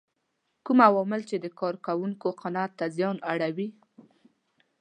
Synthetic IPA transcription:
kumawɔmɪlt͡ʃed̪əkɑɾkawuŋkoqanat̪ːazjɑnaɽawi

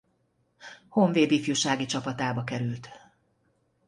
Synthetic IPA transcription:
hoɱveːd̪ifjuʃaːɡit͡ʃɒpɒt̪aːbɒkɛɾylt̪

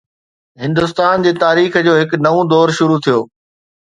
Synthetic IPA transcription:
ɦɪ̃nd̪ʊst̪aːnd͡ʑeːt̪aːɾiːxd͡ʑoːɦɪknɐʋõd̪ɔːɾʃʊɾut̪ʰijoː

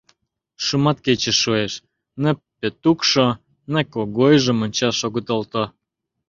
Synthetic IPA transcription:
ʃumɑt̪ket͡ɕə̆ʃːueʃ | nə̆pet̪ukʃo | nəkoɣojʒə̆monʲt͡ɕɑʃoɣət̪olt̪o

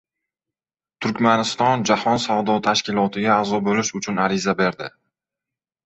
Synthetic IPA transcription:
t̪ʰʊɾkʲmanɪst̪ɒnd͡ʒahɒnsavd̪ɒt̪ʰaʃkʲɪlɒt̪ʰɪɡʲaːzɒbolɪʃʊt͡ʃʰʊnaɾɪzabe̞ɾd̪ɪ

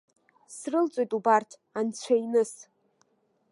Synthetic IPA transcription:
srɨlt͡sʷʼojtʼubartʰ | ant͡ɕʷʰajnɨs

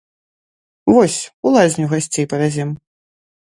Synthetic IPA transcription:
vɔsʲulˠazʲnʲuɣasʲt͡sʲejpɐvʲad͡zʲɛm

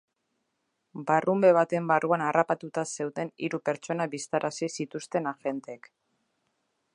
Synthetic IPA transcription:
barʔumbe̞β̞at̪e̞mbarʔuanarapat̪ut̪ase̞wt̪e̞niɾupe̞ɾt͡ʃo̞naβist̪aɾʔasisit̪ust̪e̞naʝe̞nt̪eek

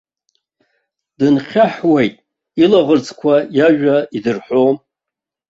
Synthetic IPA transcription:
d̥ɨnχʲaħwejtʼ | ilaʁərt͡sʰʼkʷʰajaʒᶣaidɨrħom

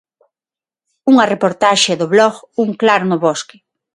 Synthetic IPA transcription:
uŋɐrepoɾt̪aʃɪðoβlɔɣuŋklaɾnʊβɔskɪ̥

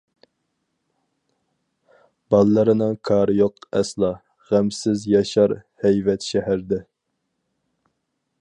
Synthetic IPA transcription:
b̥ɑlˠːɨɾɨnɨŋkʰɑːɾɨjoqɛslˠɑ | ʁæmsɪzjɑʃɑɾhɛjvɛt̪ʃɛɦæɾd̪ɛ

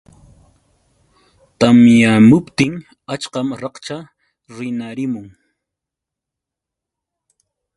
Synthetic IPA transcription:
t̪amjamʊpt̪ɪŋ | at͡ʃqɑmɾɑqt͡ʃa | ɾɪnaɾɪmʊŋ

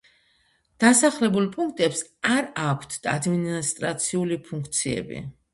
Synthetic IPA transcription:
d̪̥asaχlɛbulˠpʼuŋkʰt̪ʼɛpsaɾakʷʰt̪ʰa̰d̪minist̪ʼɾat̪sʰiulipʰuŋkʰt̪sʰiɛ̰bḭ

